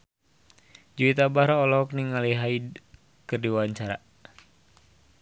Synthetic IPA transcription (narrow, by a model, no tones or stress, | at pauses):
d͡ʒuit̪abaɾɔɔlɔk̚niŋaliɦaid | kɨrdiwawaɲt͡ʃaɾa̰